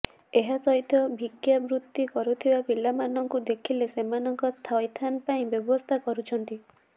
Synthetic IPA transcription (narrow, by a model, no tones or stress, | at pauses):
eɦasɔɦit̪ʰɔbʱiɡjabɾut̪ːikɔɾut̪ʰibapilamanɔŋkud̪ekʰilesemanɔŋkɔt̪ʰɔjt̪ʰanpaĩbjɔbɔst̪ʰakɔɾut͡ʃʰɔnt̪i